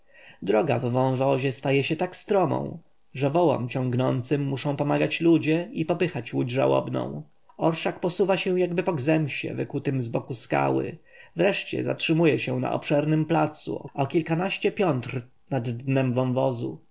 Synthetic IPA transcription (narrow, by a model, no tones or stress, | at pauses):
d̪ɾɔɡa̰vːɔ̃w̃vɔʑɛst̪ajɛɕɛt̪akst̪ɾɔmɔ̰̃w̃ | ʐɛvɔwɔ̰mt͡ɕɔ̃ŋɡnɔnt̪sɘmːuʂɔ̃w̃pɔmaɡat͡ɕlud͡ʑɛipɔpɘxat͡ɕwud͡ʑʐa̰wɔ̰bnɔ̰̃w̃ | ɔɾʂakpɔsuvaɕɛw̃jaɡbɘpɔɡzɛmɕɛ̰vɛ̰kut̪ɘmzbɔkuska̰wɘ̰vɾɛʂt͡ɕɛ̰za̰tʂɘmujɛɕɛna̰ʔɔ̰pʂɛɾnɘmplat̪sṵɔ̰ɔkʲilkanaɕt͡ɕɛpʲjɔnt̪ɾ | nad̪nɛmbvɔ̃w̃vɔzṵ